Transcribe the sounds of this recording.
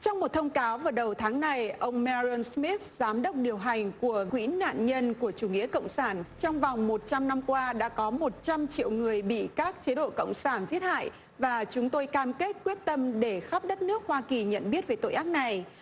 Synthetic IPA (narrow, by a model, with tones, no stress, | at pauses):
t͡ɕɔ˧wŋ͡mmo˨˩t̚t̪ʰə˧wŋ͡mkaː˨˦wvaː˨˩ɗə˨˩wt̪ʰaː˨˦ŋna˨˩jʔə˧wŋ͡mmɛ˧zə˧nsmi˦˥t̪̚zaː˨˦mɗə˦˥wk͡p̚ɗi˨˩əwɦa˨˩jŋ̟ku˧˩əkwḭ˧˥na̰ː˧˨nɲə˧nku˧˩ət͡ɕu˧˩ŋḭ˧˥əkə̰˧˨wŋ͡msaː˧˩nt͡ɕɔ˧wŋ͡mva˨˩wŋ͡mmo˨˩t̚t͡ɕa˧mna˧mkwaː˧ɗa̰ː˧˥kɔ˨˦mo˨˩t̚t͡ɕa˧mt͡ɕḭ˧˨əwŋɨ˨˩əjɓḭ˧˨kaː˦˥k̚t͡ɕe˨˦ɗo̰˧˨kə̰˧˨wŋ͡msaː˧˩nzi˦˥ət̚ha̰ː˧˨j | vaː˨˩t͡ɕʊ˨˦ŋ͡mt̪o˧jkaː˧mke˦˥t̚kwi˦˥ət̚t̪ə˧mɗe˧˩xaː˦˥p̚ɗə˦˥t̚nɨ˦˥ək̚hwaː˧ki˨˩ɲə̰˧˨nɓi˦˥ət̚ve˨˩t̪o̰˧˨ʔaː˦˥k̚na˨˩j